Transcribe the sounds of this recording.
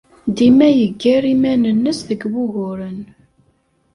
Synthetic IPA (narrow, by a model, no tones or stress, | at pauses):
d̪imæjəɡːæɾimænənːəsðəɡwʊɣʊɾən